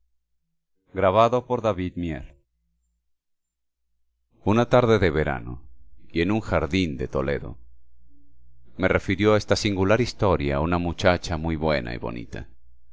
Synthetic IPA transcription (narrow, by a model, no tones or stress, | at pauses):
ɡɾaβaðo̞po̞ɾðaβiðmjḛl | unat̪aɾðe̞ðe̞βe̞ɾa̰no̰je̞nuŋxaɾðind̪e̞t̪o̞le̞̰ðo̞̰ | me̞re̞fiɾjoaest̪asiŋɡulaɾist̪o̞ɾjaunamut͡ʃat͡ʃamujβwe̞̰nʔa̰ḭβo̞̰nḭt̪ʰa̰